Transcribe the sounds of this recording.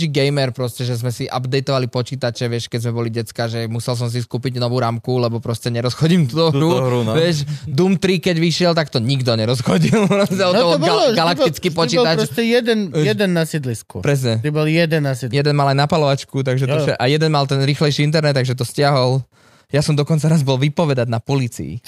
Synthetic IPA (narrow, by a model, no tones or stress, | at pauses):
iɡɛjmɛɾpɾɔscɛʒɛzmɛsiʔa̰bd̪ɛjt̪ɔʋalipɔt͡ʃiːt̪at͡ʃɛʋɪɛʃkɛɟzmɛbɔliɟɛt͡skaʒɛmusɛls̬ɔms̬iskuːpiɟnɔʋuːɾaːmkulɛbɔpɾɔscɛɲɛɾɔsxɔɟimt̪ut̪ɔɾuɾuʋɪɛʃd̪umt̪ɾikɛɟʋiʃɪɛlt̪akt̪ɔɲiɡd̪ɔɲɛɾɔsxɔɟilnɔzalɔɔɔblɡalakk̪it͡skipɔt͡ʃiːɔt̪at͡ʃɾsɛjɛd̪ɛnjɛd̪ɛnːasid̪liskṵpɾɛs̬ɲɛt̪ibɔljɛd̪ɛnːasid̪jɛd̪ɛnmalajnapalɔʋat͡ʃkut̪̬aɡʒɛt̪ɔʃʃɛʔajɛd̪ɛnmalt̪ɛnɾiːxlɛjʃiint̪̬ɛɾnɛt̪ːaɡʒɛt̪̬ɔscɪaɦɔl | jasɔmd̪ɔkɔnt͡saɾazbɔlʋipɔʋɛd̪aɟnapɔliːt͡sḭḭ